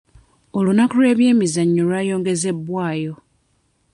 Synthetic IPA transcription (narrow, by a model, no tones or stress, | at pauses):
olunakulwe̞ːβje̞ːmizaɲːuɾwajo̞ːŋɡe̞ze̞bːwaːjo̞